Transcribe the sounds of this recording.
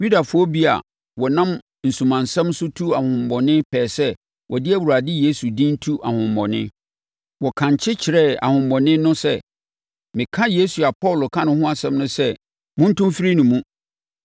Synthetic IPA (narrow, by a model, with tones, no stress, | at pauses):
ju˦da˨fʊ˦ɔ˦bi˦a̰˨ | wɔ˨nã˦m | n̩˨sũ˨mã˨nsɛ̃˦msʊ˦tʰu˦a˨hʊ̃˨mbɔ˨nɪ̃˦pʰɛː˨sɛ˦ | wʔɔ˨dɪ˦ɛ˦wu˨ɾa˨dɪ˦je˦su˨dĩ˦n̩˦tʰu˦ʔa˨hʊ̃˨m˨bɔ̰˨nɪ̰̃˦ | wɔ˨kʰã˨ɲ˨t͡ɕʰɪ˦t͡ɕʰɪ˨ɾɛ˦a̰˨hʊ̃˨mbɔ̃˨nɪ̃˦nʊ̃˦sɛ˦ | mɪ̃˨kʰã˦je˦su˨a˨pʰɔ˦˨lʊ˨kʰã˦nʊ̃˨hʊ̃˦a˦sɛ̃˦mnʊ̃˦sɛ˦ | mʊ̃˦n̩˦tʊ̃˦mfɪ˦ɾi˦nʊ̃˨mũ˦